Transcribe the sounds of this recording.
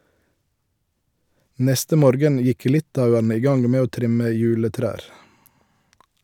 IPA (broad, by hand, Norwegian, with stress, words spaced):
ˈnɛstə ˈmoːɾɡən ˈjɪk ˈlɪtɑʉənə ˈiː ˈɡɑŋ ˈmeː ˈoː ˈtʁɪmə ˈjʉːləˌtɾæːɾ